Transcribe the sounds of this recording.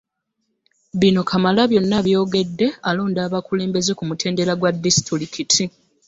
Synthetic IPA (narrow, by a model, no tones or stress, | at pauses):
βino̞kʰamalaβjo̞nːaβjo̞ːɡe̞dːe̞alo̞ːndaːβakule̞ːmbe̞ze̞kumutʰe̞ːnde̞ɾaɡwadːisi̥tɾiɾikʰitʰi